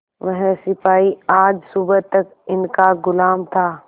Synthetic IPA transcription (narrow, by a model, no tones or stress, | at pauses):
ʋɐɦɛ̃sɪpaːiaːd͡ʒsuːbət̪ːɐk | ɪnkaɡʊlaːmt̪ʰaː